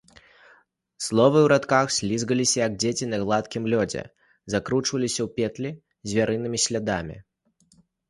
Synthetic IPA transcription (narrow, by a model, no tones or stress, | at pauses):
slˠɔvɨwɾat̪kaxsʲlʲizɣɐlʲisʲɐjɐɡd͡zʲet͡sʲinɐɣlˠat̪kʲimlʲɔd͡zʲɛ̰ | zakɾut͡ʂvɐlʲisʲɐwpʲɛt̪lʲi | zʲvʲaɾɨnɨmʲisʲlʲad̪amʲḭ